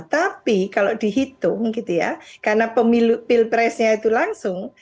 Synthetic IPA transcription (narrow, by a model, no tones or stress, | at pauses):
t̪apikaloʔd̪̥i̤ɦit̪ʊŋɡit̪uja̰karnapəmilupilpɾɛsɲait̪ulaŋsʊŋ